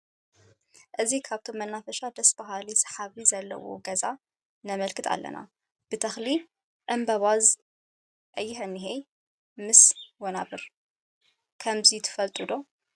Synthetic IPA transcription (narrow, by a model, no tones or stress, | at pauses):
ʔɨzikʰaβt̪ʰomːɐnːafɐʃad̪ɐsbaɦalisɐ̥ħaβizɐlːɐ̰wo̞̰ɡɐza | nɐmɐlkʰɨt̪ʰa̰lːɐ̰na̰ | b̥ɨt̪ʰɐxli | ʔɨmbɐβaz | ʔɐjːɪhɨnːɨɦej | mɨswɔnaβɨɾ | kʰɐmzit̪ʰɨ̥fɐlt̪ʼɨd̪o̞